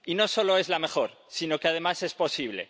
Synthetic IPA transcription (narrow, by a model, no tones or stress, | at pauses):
ino̞so̞lo̞e̞zlame̞xo̞ɾ | sino̞keað̞e̞mase̞spo̞siβ̞le̞̰